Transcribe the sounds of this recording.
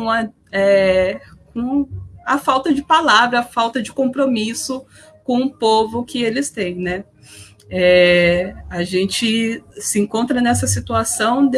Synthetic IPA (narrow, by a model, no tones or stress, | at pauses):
ɐ | ɛ | kõɐfawt̪ɐd͡ʒɪpalavɾɐːfawt̪ɐd͡ʒɪkõpɾomisʊ | kõʊ̃povʊkɪelɪst̪ẽj̃nɛ | ɛ | aʒẽnt͡ʃɪsɪẽŋkõnt̪ɾɐnɛsɐsit̪uasɐ̃w̃d̪